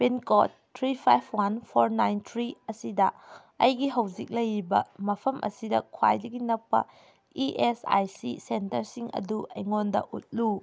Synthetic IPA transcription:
penkotʰːɾipʰajpʰwanpʰoɾnajntʰɾiɐsidɐ̰ | ɐjɡiɦɐwzik̚lɐjɾibɐ̰mɐpʰɐmʔɐ̰sidɐ̰kʰwa̰jdɐɡinɐpːɐ̰ | iʔesa̰jsisentɐɾsiŋɐ̰dueŋondɐ̰ʔut̚lu

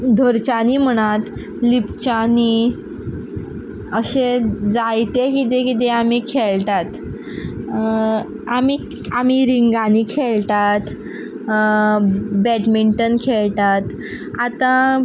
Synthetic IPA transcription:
d̪ʱoɾt͡ɕanim̤əɽ̃at̪ | lipt͡ɕani | əɕed͡zajt̪ekit̪̬ekit̪̬eamikʰeɭt̪at̪ | amiː | am̤iɾiŋɡanikʰeɭt̪at̪ | bɛʈmiɳʈənkʰeɭt̪at̪ | at̪ã

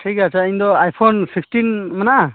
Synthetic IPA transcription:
ʈʰikasaind̪ɔajpʰɔnsʰikstinmanaʔ

